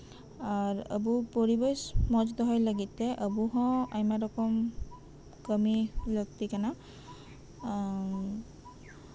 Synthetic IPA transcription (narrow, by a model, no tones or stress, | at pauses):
aɹə̰bupoɹibɔjsmɔzdɔɦɔjlaɡitɛʔəbuɦɔ̃ajmadɔkɔm | kəmilɔɡtikana